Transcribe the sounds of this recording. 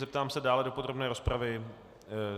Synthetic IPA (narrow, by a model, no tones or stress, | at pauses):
zɛp̚t̪aːmsɛdaːlɛdo̞pod̪ɾo̞bnɛːɾo̞spɾavɪ